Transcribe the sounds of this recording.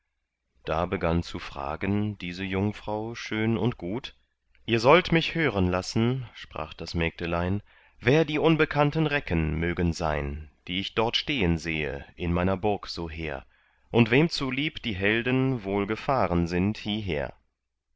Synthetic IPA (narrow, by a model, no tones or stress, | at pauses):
d̥aːbəɡant͡sufʁ̥a̰ːɡənd̥iːzəjʊŋfʁ̥aʊʃøːnʊntɡ̥uːt | ʔiːɐzɔltmɪçhøːʁənlasn̩ʃpʁ̥a̰ːχd̥asmɛk̚təlaɪn | veːɐdiːʔʊnbəkʰantən̩ʁɛkʰənmøːɡənza̰ɪnd̥iːɪçd̥ɔɐtʃteːənzeːə̰ʔɪnmaɪnɐbʊɐkz̥oːɦḛːɐ | ʔʊntv̥eːmt͡suliːpd̥iːɦɛldənvoːlɡəfaːʁənzɪnthiːɦḛːɐ